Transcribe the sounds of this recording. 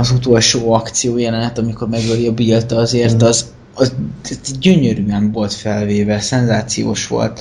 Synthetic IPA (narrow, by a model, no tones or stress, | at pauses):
ɒzut̪o̞lʃoːɒkt̪sijoːjɛlɛnɛt̪ɒmiko̞rmɛɡɛliɒbilt̪ɒɒzeːrt̪ɒz | ɒzt̪ʰɛt̪ɛɟɟøɲøɾyɛɱvo̞lt̪fɛlveːvɛsɛnzaːt̪sijo̰ːʃʋo̞̰lt̪